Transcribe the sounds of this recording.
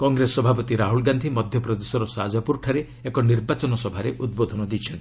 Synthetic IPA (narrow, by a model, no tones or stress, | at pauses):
kɔŋɡɾesɔbʱapɔt̪iɾaɦulɡand̪ʱimɔd̪ʱjɔpɾɔd̪esɔɾɔsad͡ʒɔpuɾʈʰaɾe | ekɔniɾbat͡ʃɔnɔsɔbʱaɾeʔud̪̚bod̪ʱɔnɔd̪it͡ʃʰɔnt̪i̥